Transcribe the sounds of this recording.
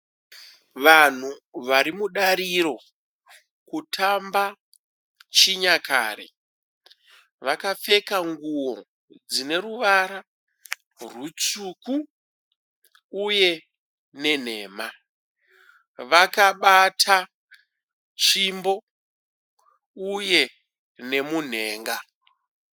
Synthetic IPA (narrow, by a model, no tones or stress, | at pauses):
ʋan̤uʋaɾimuɗaɾiɾo̞ | kutʰamba | t͡ʃiɲakʰa̰ːɾḛ | ʋakafe̞kaŋɡuwo̞̰ | d͡zine̞ɾuʋaɾa | rwut͡suku | je̞ | ne̞n̤e̞ːma | ʋakaɓatʰa | t͡ʃimbo̞ | uje̞ | ne̞mun̤e̞ːŋɡa